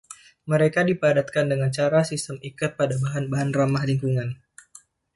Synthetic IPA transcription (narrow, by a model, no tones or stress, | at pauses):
məɾekadipəadat̪̚kandəŋant͡ʃaɾasist̪əmʔikʊt̪̚padabaɦanbaɦanramahliŋkuŋan